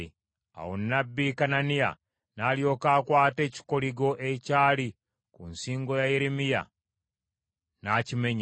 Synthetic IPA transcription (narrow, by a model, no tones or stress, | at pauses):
a̰wonːabːikananija̰ | naːljo̞kaːkwaːte̞ːci̥koliɡo̞ʔecaːli | kunsiːŋɡo̞jajeɾemija̰ | naːcime̞ɲ